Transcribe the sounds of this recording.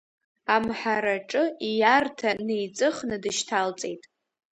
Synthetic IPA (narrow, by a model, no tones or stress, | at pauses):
amħaɾaʈ͡ʂʼɨijartʰane̞jt͡sʼɨχnɨdɨʃtʰalt͡sʼe̞̰jtʼ